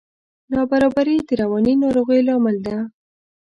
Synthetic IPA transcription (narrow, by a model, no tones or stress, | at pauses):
nɑbaɾɑbaɾid̪əɾawɑninɑɾoɣəjlɑməld̪a